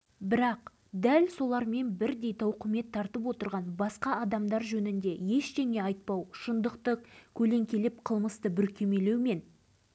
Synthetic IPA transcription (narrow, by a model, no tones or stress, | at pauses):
bɪɾɑq | d̪ælso̞lˠɑɾme̞nbɪɾd̪e̞jt̪ɑwqʰəme̞t̪ʰːɑɾt̪əp̬wo̞t̪əɾʁɑnbɑsqɑɑd̪ɑmd̪ɑɾʒɵnɪnd̪e̞je̞ʃʃeŋe̞ɑjt̪̚pɑwʃənd̪əqt̪əqkʲʰɵle̞ŋkʲe̞lɪp̚qʰəlˠməst̪əbʏlkʲe̞me̞le̞wme̞n